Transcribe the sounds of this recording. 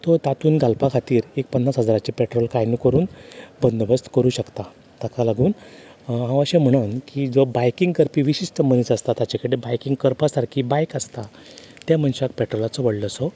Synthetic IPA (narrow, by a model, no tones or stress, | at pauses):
t̪ɔt̪at̪uːnɡʱalpakʰat̪iːɾek̚pənːasɦəd͡zaɾat͡ɕipeʈɾolkajnikəɾuːnbənd̪əbəst̪kəɾuːɕəkt̪a | t̪akʰalaɡuːn | ɦãʋəɕem̤əɽ̃ənkid͡zobajkiŋɡkəɾpiːʋiɕiʂʈəməniːt͡səst̪at̪jat͡ɕakəɽebajkiŋɡ̚kəɾpasaɾkʰibajkəst̪a | t̪jam̤əɳɕak̚pɛʈɾɔlat͡sɔʋəɽləsɔ